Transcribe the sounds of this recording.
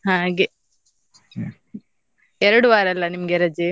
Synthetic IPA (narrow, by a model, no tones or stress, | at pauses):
hãːɡe | eɾɐɽuʋaːɾɐlːɐnimɐɡeɾɐd͡ʒi